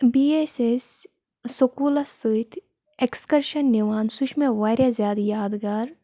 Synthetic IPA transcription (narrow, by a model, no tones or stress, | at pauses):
biːesesː | okuːlɐsɨit̪ʰ | ekskɐɾʃɐnːiʋaːnsuʃmẽʋaːɾʲjazʲjaːd̪jaːd̪ɡaːɾ